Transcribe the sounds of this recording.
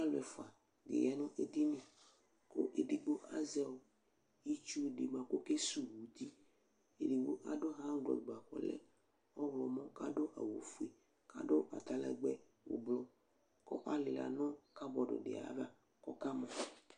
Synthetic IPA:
a˦lɛ˨fo˨a˨ | d̪ḛ˨ja˨nũ˦ʔe˨d̪i˦nĩ˨ | ko̰˦ʔe˨di˨ɡ͡bo˦ʔa˦zɛ˦wo˨ | i˦t͡ʃu˦˨ɖi˨mã˨ko˦ke˦su˦wu˨d̪i˦ | e˨di˨ɡ͡bo˦ʔa˨ɖo˦ɦã˦ɡ͡blɔ̰˨ɡ͡ba˨kɔ̰˨lɛ̰˦ | ɔ˦wlɔ˨mɔ̃˦ka˦ɖo˦ʔa̰˨wo˨fu˦i˨ | ka̰˦ɖo˦ʔa̰˨t̪a˦lɛ̰˨ɡ͡bɛ˦ | wo̰˨blɔ˦ | kɔ̰˦ʔa˦le˨la̰˨nɔ̃˦ka˦bɔ˨ɖo̰˨ɖḛ˨a̰˨˦va˦ | kɔ˦ka˦mɔ̃˨

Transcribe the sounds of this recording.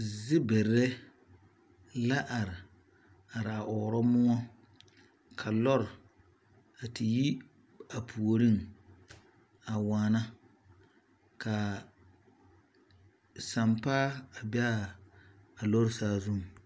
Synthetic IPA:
zɪ˦bɛ˨ɾɛ˦ | la˦ʔa˨ɾɪ˨ | a˨ɾa˨ʔɔ˨ɾɔ˦mʊ˦ŋɔ˦ | kʰa˨lɔ˦ɾ | a˨tɪ˨ji˦ | a˨pʰu˨o˨ɾi˦ŋ | a˨waː˨na˦ | ka˨ | sa˨mpaː˦a˨ba˦ | a˨lɔ˦ɾsaː˦zʊ˦m˨

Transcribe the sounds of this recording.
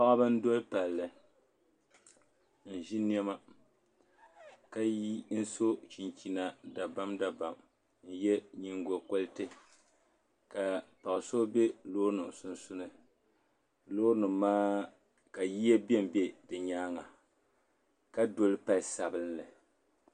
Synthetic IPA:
pa˦ʔa˦bɨ˦n˦do˦lpa˨lːɨ˨ | n̩˨ʒi˦n˦ɛ˦ma˦ | ka˦n̩˦so˦t͡ʃi˨nt͡ʃi˨na˨da˨ba˦mda˨ba˨m | n̩˦jɛ˦ɲi˦ŋ˦ɡo˨ko˦lɨ˦tɨ˦ | ka˨pa˨ʔso˦be˦loː˦nɨ˨msu˨n˨su˦nɨ˦ | loː˦nɨ˨mːaː˦ | ka˨ji˦je˦bɛ˦m˨be˦dɨ˨ɲaː˦ŋa˨ | ka˦do˦lɨ˦pa˨lsa˨bɨ˦nlɨ˨

